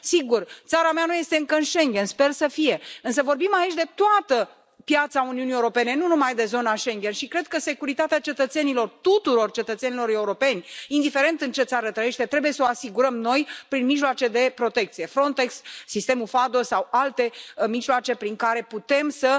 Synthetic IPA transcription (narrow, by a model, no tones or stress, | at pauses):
siɡurt̪saɾameanuje̞st̪e̞ɨŋkəɨnʃe̞ŋɡʲe̞nspe̞rsəfije̞ɨnsəvo̞rbimait͡ʃʲd̪e̞t̪oat̪ə | pjat̪sauniunijeuɾo̞pe̞ne̞nunumajd̪e̞zo̞naʃe̞ŋɡʲe̞nʃikɾe̞d̪̚kəse̞kuɾit̪at̪eat͡ʃe̞t̪ət̪se̞nilo̞rt̪ut̪uɾo̞rt͡ʃe̞t̪ət̪senilo̞ɾe̞uɾo̞pe̞nʲind̪ife̞ɾe̞nt̪ɨnt͡ʃe̞t̪saɾət̪ɾəje̞ʃt̪e̞t̪ɾe̞buje̞soasiɡuɾəmno̞jpɾinmiʒloat͡ʃe̞d̪e̞pɾo̞t̪e̞kt̪sije̞fɾo̞nt̪e̞ksːist̪e̞mufad̪o̞sawalt̪e̞miʒloat͡ʃe̞pɾiŋkaɾe̞put̪e̞msə